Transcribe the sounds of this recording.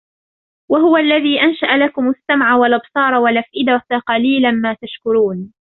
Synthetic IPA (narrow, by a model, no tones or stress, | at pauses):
waɦʊwaʔlːaðiːʔanʃaʔalakʊmasːamʕawalʔɑbsˤɑːɾˤɑwalʔafʔɪd̪akaqɑliːlanmaːt̪aʃkʊɾuːn